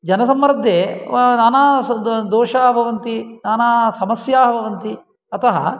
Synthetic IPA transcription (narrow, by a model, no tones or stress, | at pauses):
d͡ʒɐnɐsɐmːɐɾd̪ʱenaːnaːd̪oːʃaːɦɐbʱɐʋɐnt̪inaːnaːsɐmɐsjaːɦɐbʱɐʋɐnt̪i | ɐt̪ɐɦɐ̰